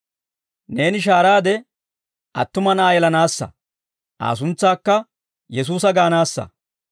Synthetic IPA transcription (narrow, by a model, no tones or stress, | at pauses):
ne̞ːnɪʃ̬aːɾaːd̪ɛ | ʔɐ̰t̪ːʊmɐnɐʔaːjɛlɐnaːsːɐ̰ | ʔa̰ːs̬ʊnt͡sːaːkːɐ | jɛs̬uːsɐɡaːnaːsːɐ̰